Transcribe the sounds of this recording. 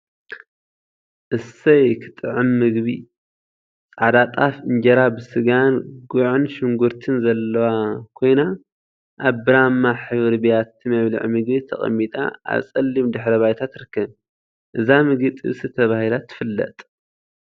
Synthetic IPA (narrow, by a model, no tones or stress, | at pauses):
ʔɨsɐjkʰɨ̥t̪ʼɨʕɨmːɨɡbi | t͡sʼad̪at̪ʼafɨnd͡ʒɐɾabɨsɨɡanɡuʕɨnʃɪŋɡʊɾt̪ʰɨnzɐlːɐwakʰo̞jna | ʔaβbɨɾamːaħɨβɾbijat̪ʰːimaβlɨ̰ʕmɨɡbit̪ʰɐ̰χʼɐ̰mːit̪ʼa̰ʔa̰βsʼɐlːimd̪ɨħɾɐβajt̪ʰat̪ɾɨkːɐβ | ʔɨzamɨɡɨt̪ʼɨ̰βsɨt̪ʰɐβahilat̪ʰɨ̥fɨlːɐ̰t̪ʼ